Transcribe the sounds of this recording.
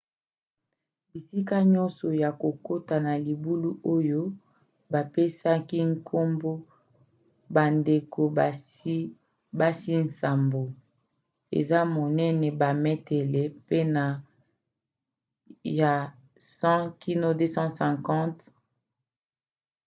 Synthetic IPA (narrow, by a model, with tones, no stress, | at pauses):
bi˨si˦ka˦ɲɔ̃˦nsɔ˨ja˨ko˨ko˦ta˨na˨li˨bu˦lu˦ʔo˦jo˦ | ba˨pe˦sa˦ki˦ŋ̩˦kʰo˦mbo˦ | ba˨nde˨ko˨˦ | ba˦si˦n̩˨sa˨mbo˨ | ḛ˨za˦mo˨nɛ˦nɛ˨ba˨mɛ˦tɛ˨le˨pe˦na˨ | ja˨ | sɑ̃˦ki˦no˦de˦sɑ̃˦sɛ̃˨kɑ̃˦t